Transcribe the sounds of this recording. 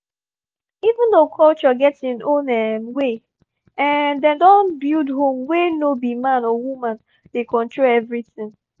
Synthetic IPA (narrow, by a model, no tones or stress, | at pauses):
ivɪ̃ndokʰɔlt͡ʃɔɡɛtsĩnõnɛmwe | ɛ̃ndɛ̃ndɔ̃nbildɦõmwenobimãnɔwumãn | dekʰɔ̃ntʰɹoɛvɹitɪ̃ŋ